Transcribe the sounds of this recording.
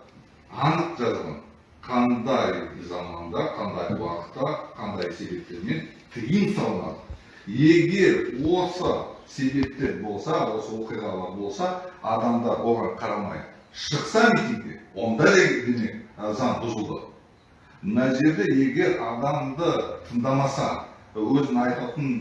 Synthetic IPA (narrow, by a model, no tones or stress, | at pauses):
ɑnəqʒɑzʁɑ̰n | qʰɑnd̪ɑjzɑmɑnd̪ɑqʰɑnd̪ɑjwɑ̰qə̥t̪ːɑqʰɑnd̪ɑjse̞be̞p̚t̪e̞ɾme̞n | t̪ʰijəmsɑlˠənɑ̰d̪ə | e̞ɡʲe̞ɾwo̞səse̞be̞p̚t̪e̞ɾbo̞lˠsɑwo̞səwo̞qijʁɑlˠɑɾbo̞lˠsɑɑd̪ɑmd̪ɑɾwo̞lˠʁɑɾqʰɑɾɑmɑ̰jd̪ə | ʃəqsɑmit̪ʲiŋk̚t̪e̞̰wo̞nd̪ɑd̪ed̪emekzɑnbʊzəlˠd̪ə̰ | mənɑʒe̞ɾd̪e̞je̞ɡʲe̞ɾɑd̪ɑmd̪ət̪ʰənd̪ɑmɑsɑ | wɵzɪnɑjt̪ɑt̪ən